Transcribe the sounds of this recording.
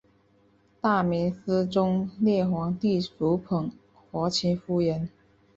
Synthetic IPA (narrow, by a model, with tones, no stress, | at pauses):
t̪a˥˩mi˧˥ns̩˥ʈ͡ʂʊ˥ŋljɛ˥˩xwɑ˧˥ŋt̪i˥˩ʈ͡ʂu˧˥pʰɤ˨˩ŋ | xwɔ˧˥t͡ɕʰi˧˥fu˥˩jɛ˧˥n